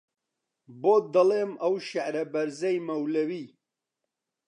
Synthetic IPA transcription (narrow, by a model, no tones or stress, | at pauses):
boːd̪ɐleːmɐwʃɐʕɾɐbɐɾzɐjmɐwlɐwiː